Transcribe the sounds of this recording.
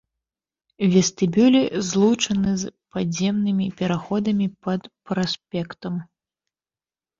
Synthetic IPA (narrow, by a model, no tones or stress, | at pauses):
vʲɛst̪ɨbʲulʲizlˠut͡ʂɐnɨzpad͡zʲzʲɛmnɨmʲipʲɛɾaxɔd̪ɐmʲipɐt̪pɾasʲpʲɛkt̪ɐm